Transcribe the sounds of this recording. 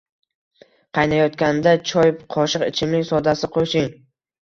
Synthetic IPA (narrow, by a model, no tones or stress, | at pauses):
qʰɑjnajɒt̪kʲand̪at͡ʃʰɒjqʰɒʃɨqɪ̰t͡ʃʰɪmlɪkʲsɒd̪asɪqʰoʃɪŋ